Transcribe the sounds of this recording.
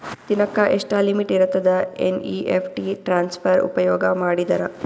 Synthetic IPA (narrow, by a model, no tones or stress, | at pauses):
t̪inɐkːɐʔeʂʈɐlimiʈiɾɐt̪ːɐd̪ɐḛniːʔepʰʈiʈɾaːnspʰɐɾṵpɐjɔːɡɐmaːɽid̪ɐɾɐ